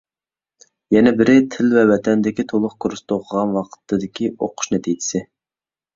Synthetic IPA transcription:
jɛnɛbɪɾɪt̪ʰɪlvɛwɛt̪ʰɛnd̪ɪkʲit̪ʰolˠʊχkʰuɾɨst̪oʁʰəʁɑnwɑqʰə̥t̪ʰːɨd̪ɪkʲio̰qʰʊ̥ʃnɛt̪ʰijd̪ɪ̥sɪ

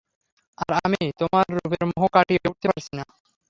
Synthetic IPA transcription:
aɾamijt̪omaɾːubeɾmoɦokaʈieuʈ̚t̪epaɾt͡ɕʰina

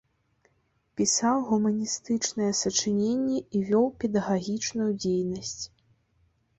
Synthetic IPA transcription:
pʲisawɣumɐnʲist̪ɨt͡ʂnɐjɛsɐt͡ʂɨnʲenʲːɛivʲɔwpʲɛd̪ɐɣaɣʲit͡ʂnujud͡zʲejnɐsʲt͡sʲ

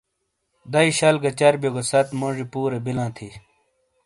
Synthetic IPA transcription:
d̪ɐiɕɐlɡɐt͡ɕɐɾbjoɡɐsɐt̪moʐipuːɾebilãːt̪ʰi

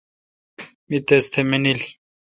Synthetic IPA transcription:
mit̪est̪ʰemenil

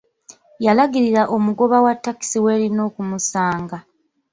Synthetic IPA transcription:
jalaɡiɾiɾaʔo̞muɡo̞βawatːaki̥siwe̞ːlino̞ːkumusaːŋɡa

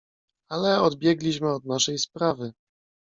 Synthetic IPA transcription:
alɛɔd̪bʲjɛɡlʲiɕmɘɔd̪naʂɛjspɾavɘ

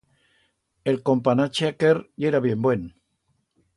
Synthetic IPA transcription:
e̞lko̞mpanat͡ʃakeɾeɾaβje̞mbwe̞n

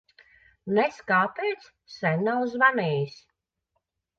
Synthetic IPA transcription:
nɛskaːpɛjt̪s | sɛnʲnawzvanɛːjis

